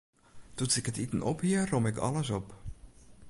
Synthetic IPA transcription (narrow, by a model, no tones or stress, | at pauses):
tusɪkətitənɔ̰phiərɔmɪkɑ̰ləsɔp